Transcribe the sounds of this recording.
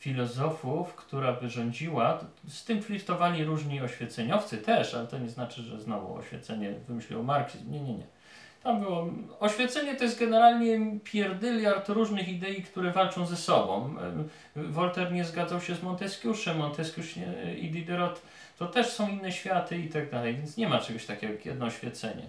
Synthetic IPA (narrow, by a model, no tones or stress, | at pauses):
fʲilɔzɔfufkt̪uɾabɘʐɔɲd͡ʑiwast̪ɘmflʲift̪ɔvalʲiɾuʐɲiɔɕfʲjɛt̪sɛɲɔft̪sɘt̪ɛʂalɛt̪ɔɲɛznat͡ʂɘʐɛ̰znɔvṵɔ̰ɕfʲjɛ̰t̪sɛɲɛvɘmɘɕlʲḭwɔmaɾksḭzmɲɛɲɛɲɛ̰ | t̪ambɘwɔɔɕfʲjɛt̪sɛɲɛt̪ɔjɛs̬ɡɛnɛɾalɲɛpʲjɛɾd̪ɘlʲjaɾt̪ɾuʐnɘxid̪ɛjikt̪uɾɛvalt͡ʂɔ̃w̃zɛsɔbɔ̰̃w̃ | vɔlt̪ɛɾɲɛzɡad̪zawɕɛzmɔnt̪ɛskʲjuʂɛmːɔnt̪ɛskʲuʂɛḭd̪id̪ɛɾɔt̪ː | ɔt̪ɛʂsɔ̃w̃inːɛɕfʲjat̪ɘit̪aɡ̚d̪alɛjvʲjɛnt̪sɲɛmat͡ʂɛɡɔɕt̪akʲɛɡɔjɛ̰d̪nɔɔɕfʲɛ̰t̪sɛ̰ɲɛ̰